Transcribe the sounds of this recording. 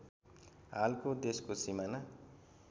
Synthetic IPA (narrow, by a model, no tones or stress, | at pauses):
ɦalkod̪eskosimana